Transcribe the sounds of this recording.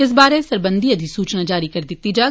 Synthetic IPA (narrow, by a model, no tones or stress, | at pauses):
ɪs̬baːɾesɐɾbə̃nd̪ʱiɐd̪ʱisuːt͡ʃnad͡ʒaːɾikɐɾd̪ɪt̪id͡ʒaː